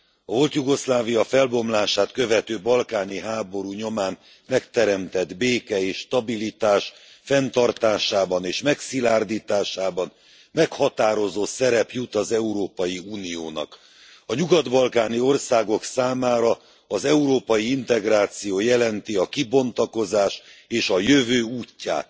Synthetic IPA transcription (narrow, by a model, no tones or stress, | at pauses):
ɒvo̞lt̪juɡo̞slaːvijɒfɛlbo̞mlaːʃaːt̪kø̞vɛt̪øːbɒlkaːniɦaːbo̞ɾuɲo̞maːn | mɛkt̪ɛɾɛmt̪ɛd̪beːkɛeːʃːt̪ɒbilit̪aːʃ | fɛnt̪ɒrt̪aːʃaːbɒneːʃmɛksilaːrd̪iːt̪aːʃaːbɒn | mɛkhɒt̪aːɾo̞zoːsɛɾɛpjut̪ɒzɛuɾoːpɒjiuːnijoːnɒ̰k | ɒɲuɡɒd̪bɒlkaːnio̞rsaːɡo̞ksaːmaːɾɒ | ɒzɛuɾoːpɒjiint̪ɛɡraːt̪sijoːjɛlɛnt̪iɒkibo̞nt̪ɒko̞zaːʃeːʃɒjøvøːuːcːa̰ːt̪